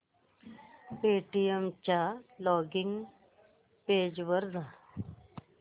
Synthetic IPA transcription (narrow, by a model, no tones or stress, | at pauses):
peːʈijemt͡ʃaːlɔːɡɪŋɡ | peːd͡ʑʋəɾza